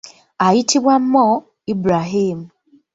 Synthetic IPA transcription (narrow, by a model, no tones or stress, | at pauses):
ajitʰiβwam̩mɔ | ibɾaɦiːmu